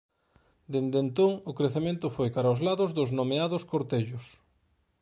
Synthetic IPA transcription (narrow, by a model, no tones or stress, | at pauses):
d̪end̪ent̪oŋʊkɾeθemẽnt̪ʊfojkaɾaʊzlaðʊzðʊznomeaðʊskoɾt̪eʎʊs